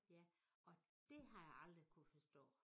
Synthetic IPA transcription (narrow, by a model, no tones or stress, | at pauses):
jæɒ̽d̥e̝ɦɑ̈jɑ̈ɪɑ̈ld̥ʁikʰufɒsd̥ɔ̰̽ː